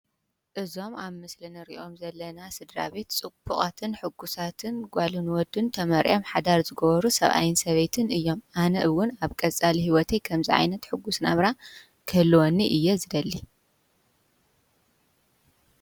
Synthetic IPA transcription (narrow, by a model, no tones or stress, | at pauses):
ʔɨzo̞maβmɨslinɨɾḭʔo̞mzɐlːɐnasɨd̪ɾa̰βe̞t̪t͡sʼɨbuχʼat̪ʰɨnħɨɡːusat̪ʰɨnɡʷalunɨwɔd̪ɨnt̪ʰɐmɐɾʔo̞mħad̪aɾzɨɡɐβɐɾusɐβʔa̰jɪnsɐβejt̪ʰɨnʔɨjːo̞mʔanɐʔɨwʊnaβkʼɐt͡sʼaliɦiwɔt̪ʰejkʰɐmziʕa̰jnɐt̪ħɨɡːusnaβɾa | kʰɐlːwoniʔɨjːezɨd̪ɐlːi